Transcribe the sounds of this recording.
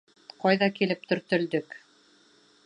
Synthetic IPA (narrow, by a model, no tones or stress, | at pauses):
qɑjðɑkilɘp̚t̪ɵ̆ɾt̪ɵ̆ld̪ɵk